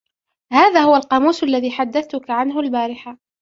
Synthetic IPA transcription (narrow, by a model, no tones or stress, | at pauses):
haːðaːhʊwalqɑmuːsʔalːaðiːħad̪ːaθt̪ʊkaʕanɦʊlbaːɾɪħa